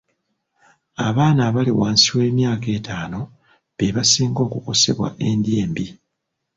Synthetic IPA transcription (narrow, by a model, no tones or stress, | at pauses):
aβaːnaβaliwaːnsiwe̞ːmjaːke̞ːtaːno̞ | βeβasiːŋɡo̞ːkuko̞se̞̰βwa̰ʔe̞ndjeːmbi